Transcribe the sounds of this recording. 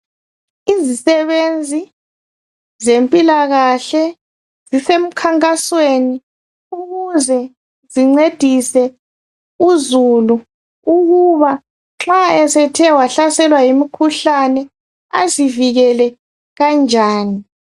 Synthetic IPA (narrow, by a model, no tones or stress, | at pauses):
izisɛβend͡zʱi | zempʼilaɣaɬɛ | zisem̩kʰaŋkʼasweni | uɣuzɛ | ziŋ͡ǀed̥ʱisɛ | uzulu | uɣuβa | ŋ͡ǁaɛsɛtʰɛwaɬasɛlwajimikʰuɬanɛ | aziviɣɛlɛ | ɣand͡ʒʱaːni